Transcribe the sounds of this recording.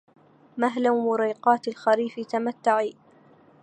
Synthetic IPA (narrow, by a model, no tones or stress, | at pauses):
maɦlawmʊɾiːqɑːt̪alxaɾiːfɪt̪amat̪ːaʕiː